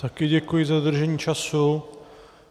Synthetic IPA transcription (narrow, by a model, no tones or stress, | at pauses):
t̪akɪɟɛkujɪzad̪r̩ʒɛɲiːt͡ʃasu